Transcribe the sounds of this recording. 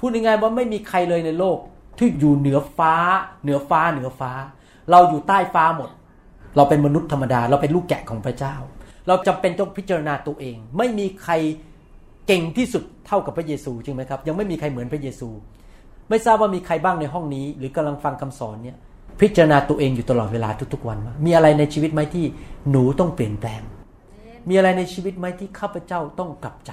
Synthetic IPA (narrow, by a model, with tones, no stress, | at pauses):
pʰuː˥˩he˧˩ŋaː˧jwaː˥˩ma˥˩jmiː˧kʰa˧jlɤː˧jna˧jloː˥˩k̚t̪ʰiː˥˩juː˨˩nɯ˩˦ɐfaː˦˥nɯ˨˩˦ɐfaː˦˥nɯ˨˩˦ɐfaː˦˥ | ɾa˧wjuː˨˩t̪aː˥˩jfaː˦˥mo˨˩t̪̚ | ɾa˧wpe˧nma˧nu˦˥t̪ʰːa˧mːa˧daː˧ɾa˧wpe˧nluː˥˩kːɛ̰˨˩kʰɔː˩˦ŋpʰɾa˦˥t͡ɕaː˥˩wɾa˧wt͡ɕa˧mpe˧nt͡ɕ̪ɔ˥˩ŋpʰi˦˥t̪̚t͡ɕa˧ɾa˧naː˧t̪u˧ɐʔeː˧ŋma˥˩jmiː˧kʰɾa˧j | ke˧ŋt̪ʰiː˥˩su˨˩t̪ʰːa˥˩wka˨˩pʰːɾa˦˥jeː˧suː˧t͡ɕɯ˧ŋma˦˥jkʰa˦˥p̚ja˧ŋma˥˩jmiː˧kʰa˧jmɯ˩˦ənpʰa˥jeː˧suː˧ | ma˥˩jsaː˥˩p̚waː˥˩miː˧kʰɾa˧jbaː˥˩ŋna˧jɦɔ˥˩ŋniː˦˥ɾɯː˩˦ka˧mla˧ŋfa˧ŋkʰa˧msɔː˩˦nːi˥˩ɐ | pʰi˦˥t̪̚t͡ɕa˧ɾa˧naː˧t̪u˧ʔeː˧ŋjuː˨˩t̪a˧lɔː˨˩t̪̚weː˧laː˧t̪ʰu˦˥k̚t̪ʰu˦˥k̚wa˧nmaː˥˩miː˧ʔa˧ɾa˧jna˧jt͡ɕʰiː˧wi˦˥t̪̚ma˦˥jt̪ʰiː˥˩nuː˩˦t̪ɔ˥˩ŋpli˨˩ənplɛː˧ŋ | miː˧ʔa˧ɾa˧jna˧jt͡ɕʰiː˧wi˦˥t̪̚ma˦˥jt̪ʰiː˥˩kʰaː˥˩pʰa˧˥t͡ɕa˥˩wt̪ɔ˥˩ŋkla˨˩p̚t͡ɕa˨˩